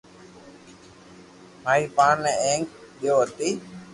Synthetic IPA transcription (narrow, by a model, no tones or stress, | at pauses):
maːiːpaːnːẽeːŋk̚ɗɪjoːət̪iː